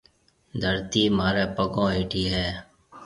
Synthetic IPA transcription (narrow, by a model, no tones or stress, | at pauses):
d̪ʱəɾt̪iːmaːɾeːpəkõːeːʈiːɦɛː